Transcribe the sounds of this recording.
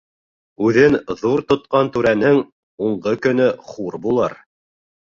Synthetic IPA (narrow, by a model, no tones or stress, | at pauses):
ʉðɘnðuɾt̪ŏt̪̚qɑnt̪ʉɾænɘŋ | uɴɢɤkɵ̆n̪ɵχuɾbulˠɤɾ